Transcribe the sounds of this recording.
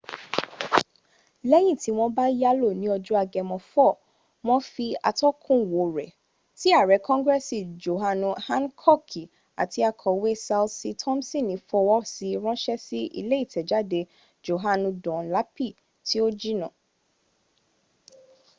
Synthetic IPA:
lɛ˦j̃ĩ˦˨ti˨˦w̃ɔ̃˧ba˦ja˦lo˦˨nĩ˨˦ɔ˧d͡ʒu˦a˧ɡɛ˧mɔ̃˧fɔ˦˨ | m̃ɔ̃˦fi˧a̰˧tɔ˦kʰũ˦˨wo˨ɾɛ˨ | ti˦a˦˨ɾɛ˨˦kɔ̃˦ŋɡɾɛ˦si˦˨d͡ʒo˨ɦa˧nũ˧hã˦n˦kʰɔ˦˨kʰi˨ | a̰˨ti˧a˧kʰɔ˨we˦sa˧lsi˧tʰɔ̃˦msĩ˦˨nĩ˨˦fɔ˧wɔ˦si˧ɾ̃ɔ̃˦ʃɛ˦si˦ʔḭ˧le˦i˦˨tɛ˨d͡ʒa˦de˧ | d͡ʒo˨ɦa˧nũ˧dɔ̃˨la˨˦pi˦˨ | ti˦o˦d͡ʒi˦nã˦˨

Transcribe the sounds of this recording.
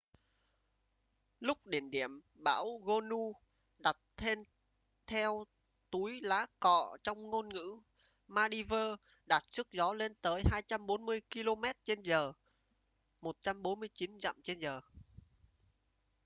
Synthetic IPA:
lʊ˦˥k͡p̚ɗi˧˩ənɗi˧˩˨əm | ɓa̰ː˧˥wɣo˧nu˧ | ɗa˨˩t̚t̪ʰe˧n | t̪ʰɛ˧w | t̪u˨˦jlaː˨˦kɔ̰˧˨t͡ɕɔ˧wŋ͡mŋo˧nŋɨ̰˧˥ | maː˧ɗi˧vəː˧ | ɗa˨˩t̚sɨ˦˥k̚zɔ˨˦le˧nt̪əː˨˦jɦaː˧jt͡ɕa˧mɓo˨˦nmɨ˧əjki˧lo˧mɛ˦˥t̚t͡ɕe˧nzəː˨˩ | mo˨˩t̚t͡ɕa˧mɓo˨˦nmɨ˧əjt͡ɕi˨˦nza̰˧˨mt͡ɕe˧nzəː˨˩

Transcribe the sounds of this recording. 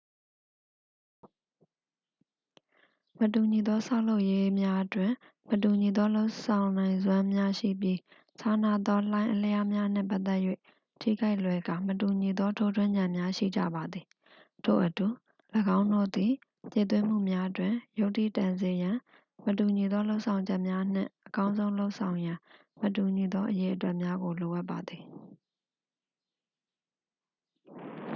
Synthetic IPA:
mətu˨ɲi˨d̪ɔ˦sʰa˦ʊ̃lo˦ʊʔje˦mja˦ʔətwɪ̃˨ | mətu˨ɲi˨d̪ɔ˦lo˦ʊsã˨ʊ̃nã˨ɪ̃nzwã˦mja˦ʃḭ˦˨pji˦ | t͡ɕʰa˦˨na˦˨d̪ɔ˦lã˦ɪ̃ʔəlja˦mja˦n̥ɪ̰̃˦˨mpa˦ʔt̪ɛ˦ʔjwḛ˦˨ | tʰḭ˦˨ɡa˦ɪʔlwɛ˨ɡa˨mətu˨ɲi˨d̪ɔ˦tʰo˦dwɪ̃˦ɲã˨mja˦ʃḭ˦˨d͡ʑä̰˦˨ba˨d̪ði˨ | tʰo̰˦˨ʔətu˨ | ləɡã˦ʊ̃ndo̰˦˨d̪i˨ | tḛ˨t̪̬wɪ̃˦m̥ṵ˦˨mja˦ʔətwɪ̃˨jo˦ʊʔtːḭ˦˨tã˨nze˨jã˨ | mətu˨ɲi˨d̪ɔ˦lo˦ʊʔsʰã˨ʊ̃ɲd͡ʑɛ˦ʔmja˦n̥ɪ̰̃˦˨ʔəkã˦ʊ̃zõ˦ʊ̃lo˦ʊʔsʰã˨ʊ̃jã˨ | mətu˨ɲi˨d̪ɔ˦ʔəje˨ʔətwɛ˦ʔmja˦ɡo˨lo˨ʔa˦pːa˨d̪i˨

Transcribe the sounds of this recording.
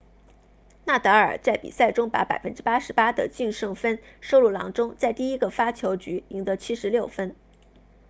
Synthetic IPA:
na˥˩t̪ɤ˧˥ə̰˞˨˩t͡sa˥˩ɪpḭ˨˩sa˥˩ɪʈ͡ʂʊ˥ŋpa̰˧˥pa˨˩ɪfə˥nʈ͡ʂɻ̩˥pa˥ʂɻ̩˧˥pa˥d̪ə̰˨t͡ɕy˥˧nʂɤ˥˩ŋfə˥nʂo˥ʊlu˥˩lɑ̰˧˥ŋʈ͡ʂʊ˥ŋt͡sa˥˧ɪt̪i˥˩i˥ɡə˨fa˥t͡ɕʰjo˧˥ʊt͡ɕy˧˥i˧˥ŋd̪ə˧˥˦t͡ɕʰi˥ʂɻ̩˧˥ljo˥˩ʊfə˥n

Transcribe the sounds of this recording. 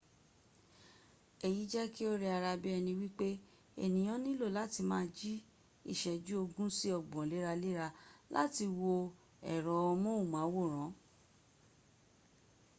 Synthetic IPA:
e˨ji˨˦d͡ʒɛ˦ki˦o˦ɾe˧a˧ɾa˧bi˦ɛ˧nĩ˧wi˦k͡pe˦ | ḛ˦˨nĩ˨j̃ã˨˦nĩ˦lo˦˨la˨˦ti˧mãː˦d͡ʒi˦ | ḭ˦˨ʃɛ˨d͡ʒu˦o˧ɡũ˦si˦ɔ˧˨ɡ͡bɔ̃˨le˨˦ɾa˧le˦ɾa˧lʔa̰˦ti˧wo˧ | ɛ̰˨ɾɔ˨˦ɔ˧mɔ̃˦u˦˨mã˨˦wo˦˨ɾ̃ã˨˦

